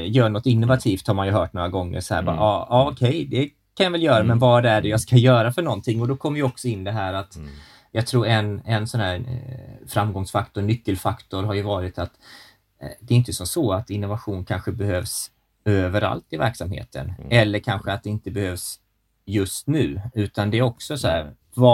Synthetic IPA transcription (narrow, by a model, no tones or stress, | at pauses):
jœːɳɔt̪ːɪnːʊvat̪ʰiːft̪haɾmanjɵɦœːʈnoːɾaɡɔŋːə̰ɾsɔhæ̰ɾbɑ̰ːʔɑɑɔkʰɛjd̪ɛ | kʰanjavɛljœːɾamɛnvɑd̪æɖɛjaɡskajœːɾafœɳɔnt̪ʰɪŋːɔd̪ɔkʰɔmːəɾjəɔksɔɪnːd̪ɛɦæːɾat̪ | jɑɡt̪ʰɾuːɾɛnɛnsɔnɦæːɾfɾamɡɔŋsfakt̪ʊɳʏkːəlfakt̪ʊɾɦaɾjɵvɑːɾɪt̪at̪ | d̪ɛːɾʏnt̪əsɔmsɔːat̪ɪnːʊvaɧuːnkʰanɧəbɛhøːvs | øːvəɾa̰lt̪ɪvæ̰ɾksamhḛːt̪ʰə̰nɛlːəɾkʰanɧəat̪̚d̪ɛɪnt̪əbɛhøːvs | jɵst̪nʉ̟ːʉ̟ːt̪and̪ɛæɾɔksɔsɔæ̰ːɾ | v